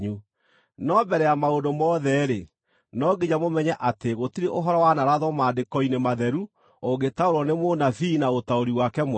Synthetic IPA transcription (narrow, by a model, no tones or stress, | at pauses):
u | nɔbɛɾɛjamaondomɔːðɛɾe | nɔɡed͡ʑamomɛɲɛʔateɣotiɾeʔoɦɔɾɔwanaɾaðɔmaːdekɔinemaðɛɾu | oɡetaoɾɔnemonavinaotaoɾiwakɛm